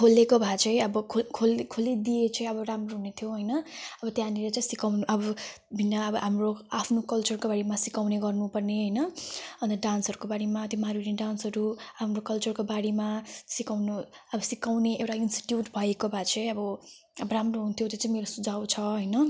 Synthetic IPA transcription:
kʰolekobʱat͡sʰʌjʌbʌkʰokʰolkʰolid̪iet͡sʌĩj̃ʌbʌramroɦunet̪ʰjoɦʌjnʌʌbʌt̪jãnilet͡sʌĩsikawnuʔʌbʌ | bʱinːaʌbʌɦamroapʰnokʌlt͡sʌrkobaɽimasikawneɡʌrnupʌrneɦʌjnʌʌ̃nt̪ʌɖansʌɾukobaɽimat̪jomaɾuɾiɖansɦʌɾuɦamrokʌlt͡sʌrkobaɽimasikawnu | ʌbʌsikawneʔewʈainsʈi̥ʈjuʈbʱʌekobʱat͡sʰʌjʌbʌ | ʌbʌɾamroɦunt̪ʰjot̪jot͡saĩmeɾosud͡zʱawt͡sʰʌɦʌjnʌ

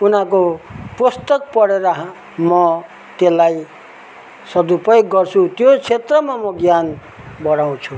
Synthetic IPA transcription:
unakopust̪ʌk̚pʌɽeɾʌɦ | mʌ | t̪elːaj | sʌd̪upʌjkɡʌrt͡sʰut̪jot͡sʰet̪rʌmamʌɡjan | bʌɽaw̃t͡sʰu

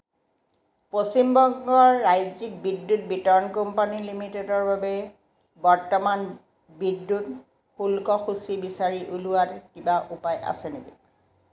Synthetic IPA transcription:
posimbɔŋɡɔɹːajzik̚bidːut̚bitɔɹɔnkɔmpanilimitedɔɹbabɛ | bɔɹtɔman | bidːut | xulkɔxusibisaɹiʔuluwaɹkibaʔupajʔa̰sɛnebḭ

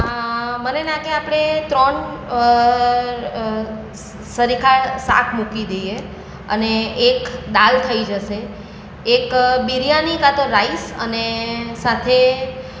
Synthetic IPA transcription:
mənenãkʰeapɽ̃et̪ɾɔɳ | səɾikʰaɭsa̰kʰmukid̪əje | ə̰neːkd̪alt̪ʰəid͡ʒəʃeː | kbiɾjanikat̪əɾaisə̰nesat̪ʰe

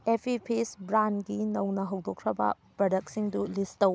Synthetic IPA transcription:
epʰipʰisbɾanɡinɐwnɐɦɐwdokʰɾɐbɐ̰ | pɾɐdɐk̚siŋdulistɐw

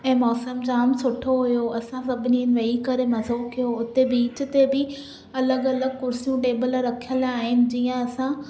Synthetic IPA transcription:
ɛ̃ːmɔːsəmd͡ʑaːmsʊʈʰoɦʊjoɐsãsɐbʱɪniənɪ̆ʋɐikɐɾemɐzoːkijoʊt̪ebiːt͡ɕ̆t̪ebɪ | ɐləɡɐləɡkʊɾsijũʈeːbəlɾɐkʰijəlaːɦɪnɪ̆d͡ʑiːə̃ɐsã

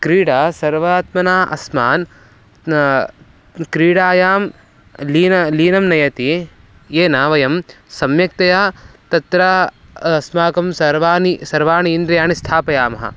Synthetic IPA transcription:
kɾiːɽaːsɐɾʋaːt̪mɐnaːʔɐ̰smaːn | kɾiːɽaːjaːm | liːnɐliːnɐmnɐjɐt̪i | jeːnaːʋɐjɐmsɐmjɐk̚t̪ɐjaːt̪ɐt̪ɾaː | smaːkɐmsɐɾʋaːnisɐɾʋaːniːnd̪ɾɐjaːnist̪ʰaːpɐjaːmɐɦɐ̰

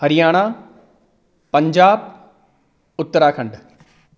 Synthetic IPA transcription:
hɐɾɪjaːɽ̃aː | pɐ̃ɲd͡ʒaːb | ʊt̪ːəɾaːkʰɐ̃ɳɖ

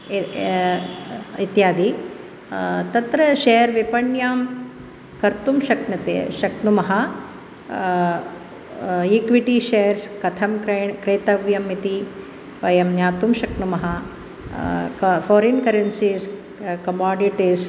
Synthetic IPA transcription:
it̪jaːd̪i | t̪ɐt̪ɾɐʃeːɐɾʋipɐɳjaːm | kɐɾt̪umʃɐknɐt̪ḛːʃɐknumɐɦɐ | ikʋiʈiʃeːɾskɐt̪ʰɐmkɾɐɳkɾeːt̪ɐʋjɐmːit̪i | ʋɐjɐmnjaːt̪umʃɐknumɐɦɐ | kfɔːɾinkɐɾɐnsiːs | kɐmaːɖiʈis

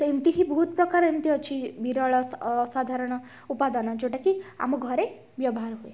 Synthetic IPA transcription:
t̪ɔemt̪iɦibɔɦut̪pɾɔkaɾemt̪iʌt͡ʃʰibʱiɾɔɭɔsad̪ʱaɾɔɽ̃ɔ | upad̪anɔd͡ʒoʈakia̰mɔɡʱɔɾe | bjɔbɔɦaɾɦue

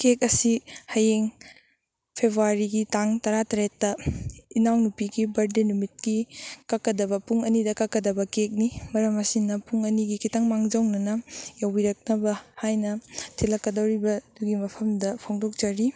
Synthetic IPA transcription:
kek̚ɐsihɐjeŋ | pʰebɾuwaɾiɡitaŋtɐɾatɐɾetːɐinawnupiɡibɐɾdenumit̚kikɐkːɐdɐbɐpuŋɐnidɐkɐkːɐdɐbɐkek̚nimɐɾɐmɐsinɐpuŋɐniɡikʰitaŋmaŋd͡ʒawnɐnɐjawbiɾɐk̚nɐbɐhajnɐtʰilɐkːɐdɐwɾibɐd̥uɡimɐpʰɐmdɐpʰoŋdok̚d͡ʒaɾi

